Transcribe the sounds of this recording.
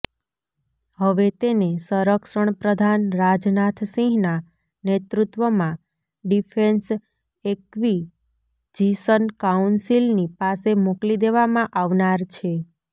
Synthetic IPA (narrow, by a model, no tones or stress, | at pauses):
həʋet̪enesəɾəkʃəɳ̃pɾəd̪ʱanɾad͡ʒnat̪ʰsĩɦna | net̪ɾut̪ʋəmã | ɖifʰens | ekʋi | d͡ʒisənkaunsilnipasemoklid̪eʋamãʔaʋnaɾt͡ʃʰe